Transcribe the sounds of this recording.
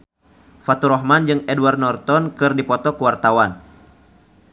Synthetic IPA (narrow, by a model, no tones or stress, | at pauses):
fat̪uɾɔɦmand͡ʒɨŋɛduward̪̚nɔrt̪ɔnkɨrdipɔt̪ɔkəwart̪awan